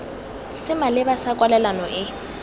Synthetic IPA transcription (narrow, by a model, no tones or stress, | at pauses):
sɪmalɪbasakʼwalɛlanɔʔɪ